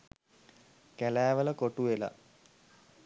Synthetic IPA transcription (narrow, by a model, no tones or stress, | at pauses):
kælæːʋələkoʈuela̰